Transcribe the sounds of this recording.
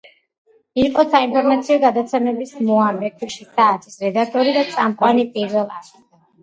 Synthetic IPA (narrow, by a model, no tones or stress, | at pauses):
iqʼɔsainpʰɔɾmat̪sʰiɔɡad̪at̪sʰɛmɛbismɔambɛkʰuʃisaːt̪ʰisɾɛd̪ak̚t̪ʼɔɾid̪at̪sʼamqʼwanipʼiɾvɛlˠaɾ | ɛ